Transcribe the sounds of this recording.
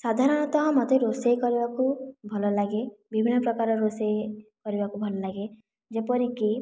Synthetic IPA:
sad̪ʱaɾɔnɔt̪ɔɦɔ̃mɔt̪eɾosejkɔɾibakubʱɔlɔlaɡebibʱinːɔpɾɔkaɾɔɾosekɔɾibakubʱɔlɔlaɡe | d͡ʒepɔɾiki

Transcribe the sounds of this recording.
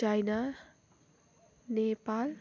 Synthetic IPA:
ajna | nepal

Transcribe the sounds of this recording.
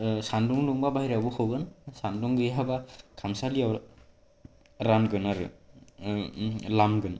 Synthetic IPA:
sanduŋluŋbabajɾabukʰɯwɡɯnsanduŋɡɯjɦabakʰamsaliaw | ɾanɡɯnaɾɯ̰ | lamɡɯn

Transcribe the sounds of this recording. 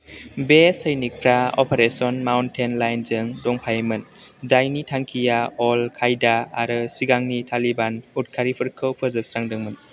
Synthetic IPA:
besəjnik̚pʰɾaɔpʰeɾesɔnmawntʰenlajnzɯŋdɔŋpʰajmɯn | zajnitʰaŋkʰijaɔlkʰajdaːɾɯsiɡaŋnitʰalibanut̚kʰaɾipʰɯɾkʰɯwpʰɯzɯp̚sɾaŋdɯŋmɯn

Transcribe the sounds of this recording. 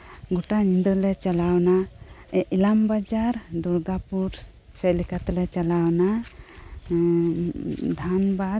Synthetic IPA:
ɡuʈanind̪əlɛt͡ʃalawna | ɛʔilambad͡ʒaɾd̪uɾɡapuɾ | sɛlikat̪lɛt͡ʃalawna | d̪ʱanba

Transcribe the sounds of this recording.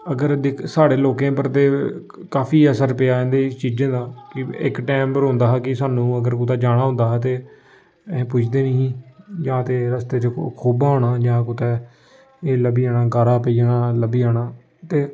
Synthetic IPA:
əɡəɾd̪ɪksaːɽeːloːkẽːpəɾt̪eː | kaːfʰiːəsəɾpejaːẽːnd̪eːt͡ʃiːd͡ʒẽːd̪aːkɪɪ̰kʈɛːmbəɾɦõːnd̪aːɦkɪsaːnũːəɡəɾk̬ʊt̪ɛːd͡ʒaːɽ̃aːɦʊ̃nd̪aːɦt̪ẽː | pʊt͡ʃʰd̪eːnəɦĩːd͡ʒãːt̪eːɾəst̪eːt͡ʃəkʰoːbaːoːɽaːd͡ʒãːkʊt̪ɛː | eːləbiːaːɽ̃aːɡaːɾaːpeiːaːnaːləbiːaːɽ̃aː | t̪eː

